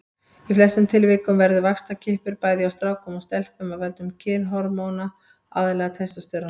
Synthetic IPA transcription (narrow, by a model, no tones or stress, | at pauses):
iflɛsʏmt̪ʰɪlvɪːkʏmvɛɾðʏvakst̪acʰɪhpʏɾpaːjðjawst̪ɾaːwkɔmɔst̪ɛl̥pɛmaðvɛlt̪ʏmcʰɪːnɦɔɾmowna | a̰ːðɪlɛːɣat̪ʰɛst̪ʏst̪œɾa